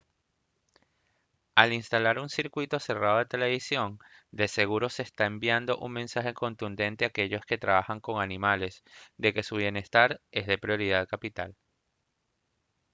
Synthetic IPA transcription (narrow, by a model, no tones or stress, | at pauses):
alinst̪alaɾunsiɾkwit̪o̞se̞raðo̞ðet̪e̞le̞βisjo̞nd̪e̞se̞ɣ̞uɾo̞seːst̪ae̞mbjand̪o̞ʔuŋme̞nsaxe̞ko̞nt̪und̪e̞nt̪e̞aːke̞ʝo̞ske̞t̪ɾaβaxaŋko̞ŋanĩmale̞sd̪e̞ke̞suβ̞je̞ne̞st̪aɾe̞zðe̞pɾjo̞ɾiðaðkapit̪al